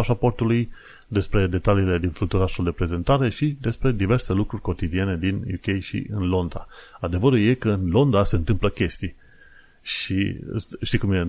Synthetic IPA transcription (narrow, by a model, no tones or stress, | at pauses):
aʃapo̞rt̪uluj | d̪e̞spɾe̞d̪e̞t̪aliːle̞d̪influt̪uɾasuld̪e̞pɾe̞ze̞nt̪aɾe̞ʃid̪e̞spɾe̞d̪ive̞rse̞lukɾurʲko̞t̪id̪ie̞ne̞d̪injṵkʲe̞jʃḭɨ̰nlo̞nd̪a̰ad̪e̞vəɾulje̞kəɨnlo̞nd̪ase̞ɨnt̪ɨmpləkʲe̞st̪ij | ʃḭʃt̪ijkumje